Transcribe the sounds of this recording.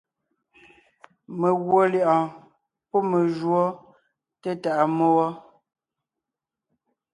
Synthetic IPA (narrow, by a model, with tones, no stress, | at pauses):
me˨ɣwo˨˦ljʔɔ̃˨ | pɔ˦me˨ʒwɔ˦ | te˦ta˨ʔa˨mo˦wɔ˦